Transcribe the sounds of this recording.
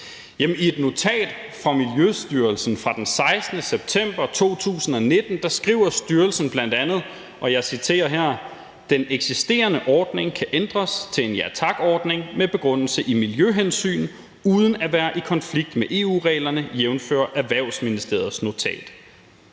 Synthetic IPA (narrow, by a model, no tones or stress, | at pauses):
jemnie̝d̥no̝t͡sʰɛ̰ːd̥ | fʁɑ̈miljøsd̥yːɐlsn̩fʁɑ̈d̥ensɑ̈ɪsd̥nəseb̥̚t͡sʰem̰b̥ɐt͡sʰo̝̰ːt͡sʰṵːsn̩ɒ̽ne̝d̥n̩d̥ɑ̈sɡ̥ʁḭːʊ̰ɐsd̥yɐlsn̩b̥læn̰d̥ænð̩ˠ | ʔɒ̽jɑ̈ɪsit͡sʰe̝̰ːɐɦæɐ̰ | d̥eneɡ̥sisd̥e̝̰ːɐnəʔɒːd̥ne̝ŋkʰæʔend̥ʁɐst͡sʰe̝e̝njæt͡sʰɑ̈ɡ̥ɒːd̥ne̝ŋmeb̥e̝ɡ̥ʁɔ̽n̰l̩səʔimiljøɦensy̰ːn̩ | uːð̞ˠən̩æʋæːɐʔikʰɒ̽nfliɡ̥̚d̥meʔe̝ːṵːʁɛ̰ːlɐnəjeʊnfø̰ːɐʔæʋæɐʊ̰sminisd̥e̝̰ɐð̩ˠsno̝t͡sʰɛ̰ːd̥